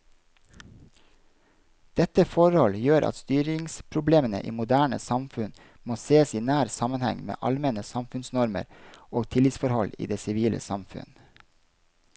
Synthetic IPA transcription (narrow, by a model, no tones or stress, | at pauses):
d̪̥ɛt̪əfɔɾhɔljøːɾʔɑ̰t̪st̪yːɾɪŋspʰɾʊbleːmənə̰ʔḭːmʊd̪æːɳə̰sɑmfʉn | moːseːəsiːnæːɾsɑmənhɛ̰ŋmḛːʔɑlmɛnəsɑmfʉnsnɔɾmə̰ɾoːɡt̪ʰɪlɪt̪sfɔɾhɔlḭːd̪eːsɪʋiːlə̰sɑmfʉ̰n